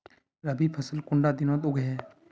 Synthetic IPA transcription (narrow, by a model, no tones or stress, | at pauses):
ɾɐbipʰɐsəlkʊɳɖaːd̪ɪnõːt̪ʊɡʱɦɛː